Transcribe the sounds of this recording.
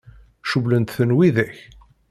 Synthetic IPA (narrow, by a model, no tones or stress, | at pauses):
ʃuvlənt̪θənwiðæç